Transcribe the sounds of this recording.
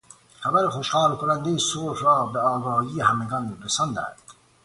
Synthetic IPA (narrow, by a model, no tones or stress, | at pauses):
χæbæɾeχoʃhɑːɾkʰonænd̪ejesolfɾɑːbeɑːɡɑːhiːehæmeɡɒnɾesɑnd̪æ̰nd̪̥